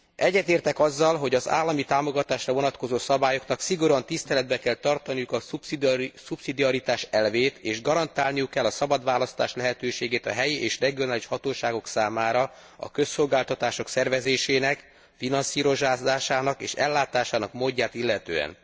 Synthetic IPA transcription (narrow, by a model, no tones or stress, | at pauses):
ʔɛɟːɛt̪eːrt̪ɛkɒzːɒlɦo̞ɟɒza̰ːlːɒmit̪aːmo̞ɡɒt̪aːʃrɒvo̞nɒt̪ko̞zoːsɒbaːjo̞knɒksiɡo̞ɾɒnt̪ist̪ɛlɛd̪̚bɛkɛlt̪ɒrt̪ɒnijukɒ | supsid̪iɒɾit̪aːʃɛlveːt̪eːʒɡɒɾɒnt̪aːlnijukːɛlːɒsɒbɒd̪ʋaːlɒst̪aːʃlɛɦɛt̪øːʃeːɡeːt̪ɒɦɛjiʔeːʃrɛɡijoaːliʃhɒt̪oːʃaːɡo̞ksaːmaːɾɒ | ɒ̰kø̞sːo̞lɡaːlt̪ɒt̪aːʃo̞ksɛrvɛzeːʃeːnɛk | finɒnsiːɾo̞ʒaːaːʃaːnɒkḛːʃɛ̰lːaːt̪aːʃaːnɒkmoːɟːaːt̪ilːɛt̪ø̰ːɛ̰n